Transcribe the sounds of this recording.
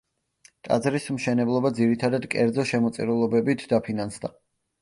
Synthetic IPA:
t̪ʼa̰d̪zɾismʃɛnɛblˠɔbad̪ziɾit̪ʰad̪ad̪kʼɛɾd̪zɔʃɛmɔt̪sʼḭɾulˠɔbɛbit̪ʰd̪apʰinansd̪a

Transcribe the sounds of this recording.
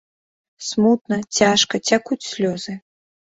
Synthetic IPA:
smut̪nɐt͡sʲaʂkɐt͡sʲakut͡sʲsʲlʲɔzɨ

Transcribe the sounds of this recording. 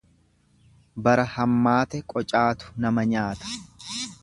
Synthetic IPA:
bɐɾɐhɐmːaːt̪ɛkʼɔt͡ʃʼaːt̪ʊ̥nɐmɐɲaːt̪ɐ̥

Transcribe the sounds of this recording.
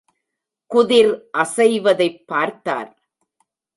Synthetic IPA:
kʊðɪɾʔɐsɐɪʋɐðɐɪpːaːɾt̪a̰ːɾ

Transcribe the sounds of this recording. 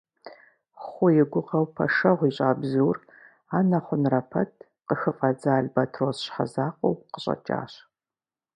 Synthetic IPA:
χʷʊjɪɡʷʊqɐwpʰɐ̰ʂɐʁʷiːɕʼaːbzɨwr | aːnɐχʷʊnrɐpʰɐtʰ | qəxɨfʼɐd͡zaːɮbɐtʰroːsɕħa̰zaːqʷʼowqəɕʼɐ̰t͡ʃʼa̰ːɕ

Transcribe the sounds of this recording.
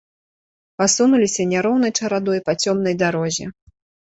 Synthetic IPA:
pasunulʲisʲɐnʲaɾɔwnɐjt͡ʂɐɾad̪ɔjpat͡sʲɔmnɐjd̪aɾɔzʲi

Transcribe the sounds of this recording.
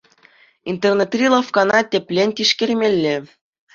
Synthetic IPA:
int̪ernet̪rʲilˠɑfkɑnɑt̪ʲepʲlʲenʲt̪ʲiʃkʲerʲmʲelʲːɘ̆

